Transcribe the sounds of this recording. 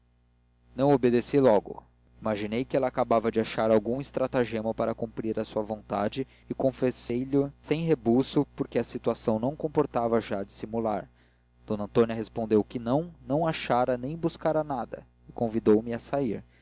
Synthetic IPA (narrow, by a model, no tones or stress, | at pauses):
nɐ̃w̃obed̪esilɔɡʊ̰ | imaʒinejkɪɛlɐaːkabavɐd͡ʒɪaʃaɾawɡũist̪ɾat̪aʒemɐpaɾɐkũmpɾiɾɐsuɐvõnt̪ad͡ʒɪːkõfesejʎʊsẽj̃ɦebusʊpʊɾkeɐsit̪uasɐ̃w̃nɐ̃w̃kõpoɾt̪avɐʒad͡ʒi̥simulaɾ | d̪̥õnɐ̃nt̪õniɐɦespõnd̪ewkɪnɐ̃w̃nɐ̃w̃aʃaɾɐnẽj̃buskaɾɐnad̪ɐ̰ | ɪkõvid̪owmɪasaiɾ